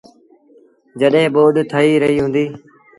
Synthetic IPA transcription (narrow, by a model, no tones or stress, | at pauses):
d͡ʒəɗɦẽːɓoːd̪t̪ʰəiːɾəɦiːɦʊ̃nd̪iː